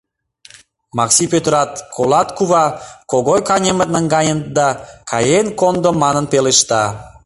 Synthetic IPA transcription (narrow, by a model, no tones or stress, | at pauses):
mɑksipøt̪ɾɑt̪kʰolɑt̪kuβɑkoɣojkɑnʲemət̪nəŋɡɑjʲənd̪ɑkʰɑjenkond̪omːɑnənpeleʃt̪ɑ